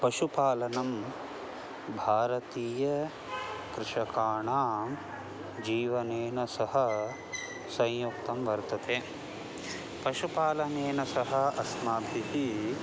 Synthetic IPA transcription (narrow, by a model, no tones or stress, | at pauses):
pɐʃupaːlɐnɐm | bʱaːɾɐt̪iːjɐ | kɾɪʃɐkaːɳaːm | d͡ʒiːʋɐneːnɐsɐɦɐ̆ | sɐ̃jjuk̚t̪ɐmʋɐɾt̪ɐt̪ʰeː | pɐʃupaːlɐneːnɐsɐɦɐɐsmaːb̪ʱiɦi